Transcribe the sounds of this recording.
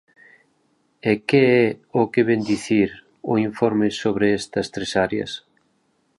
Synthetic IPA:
ekeɛʊkeβend̪iθiɾ | ʊiɱfoɾmɪsoβɾeɛst̪ɐst̪ɾesaɾjɐ̰s

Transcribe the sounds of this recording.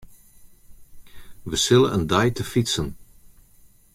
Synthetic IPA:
ʋəsɪləəndajtəfitsən

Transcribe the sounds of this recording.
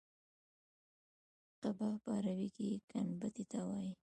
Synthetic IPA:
qabapaɾawikikanbət̪it̪awɑji

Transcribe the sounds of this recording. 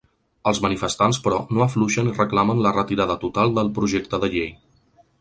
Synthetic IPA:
əlˠzmənifəst̪anspɾɔnoəfluʃənirəklamənlərət̪iɾaðət̪ut̪alˠd̪əlˠpɾuʒek̚t̪əðəʎej

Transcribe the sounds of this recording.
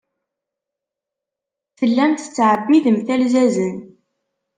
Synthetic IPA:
θəlːæmt̪ə̥t͡sːʕəbːiðəmθælzæzən

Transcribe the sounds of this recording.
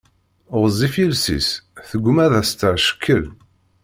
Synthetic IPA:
ʊʁzˤifilsḭsθəɡʷːmæðæst̪əʕʃə̥kʰːəl

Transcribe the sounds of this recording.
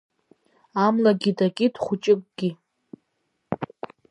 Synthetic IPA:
amlaɡʲidaɡʲʼidχʷʊt͡ʃʼɪkʼɡ̥ʲi

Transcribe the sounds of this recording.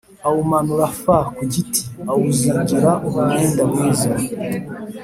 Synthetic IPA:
awumanuɾafakuɟitʰiawuziɟiɾaʔuβaɲeːndamwiːza

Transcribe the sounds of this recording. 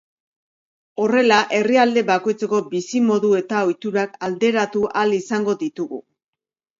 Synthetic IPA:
o̞re̞laʔe̞riald̪e̞βako̞jt͡se̞ko̞bisimo̞ðue̞t̪ao̞jt̪uɾakald̪e̞ɾat̪uʔalisaŋɡo̞ðit̪uɣṵ

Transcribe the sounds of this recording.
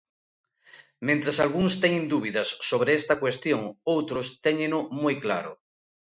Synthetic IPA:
mẽnt̪ɾasalɣuŋst̪ɛɲẽnd̪uβiðɐsːoβɾeest̪ɐkwest̪joŋowt̪ɾost̪ɛɲẽnomojklaɾʊ̰

